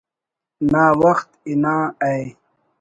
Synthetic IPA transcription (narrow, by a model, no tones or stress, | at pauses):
naːwɐxt̪inãːaj